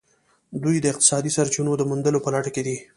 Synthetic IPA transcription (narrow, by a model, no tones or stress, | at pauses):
d̪ujd̪əɪq̚t̪ɪ̥sɑd̪isaɾt͡ʃinod̪əmund̪əlopəlaʈəked̪i